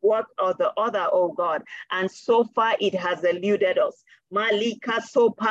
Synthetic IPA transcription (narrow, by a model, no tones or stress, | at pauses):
wɜkɔðəʔɔðə˞ʔoɡɔdʔãnsofaʔit̚ɦazɪljudɛdʌs | malikʰasopa